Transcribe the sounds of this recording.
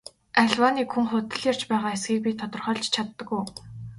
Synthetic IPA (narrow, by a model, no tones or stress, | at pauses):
æɮwaːniːkxuŋχʊt̪ɘ̆ɮjar̥t͡ɕpæːʁaːesɡiːk̚pʲit̪ʰɔt̪ɞ̆rχœːɮt͡ɕt͡ɕʰat̪ːə̆kuj